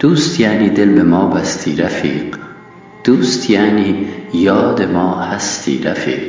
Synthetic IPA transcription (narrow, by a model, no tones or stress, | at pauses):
d̪̥uːst̪jaːniːd̪elbemɒːbæst̪ʰiːɾafiːq | d̪̥uːst̪jaːniːjɒːd̪emɒːhæst̪ʰḭːɾa̰fḭːq